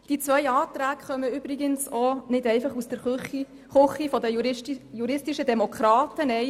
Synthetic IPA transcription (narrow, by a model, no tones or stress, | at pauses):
d̥it͡sʋœjɑːt̪ɾæːkχœməʏbɾɪɡənsɔnɪdɛɪfɑχusd̥əɾi | χʊχifɔdəjuɾɪstɪʃədɛmokʰɾɑːtənɛj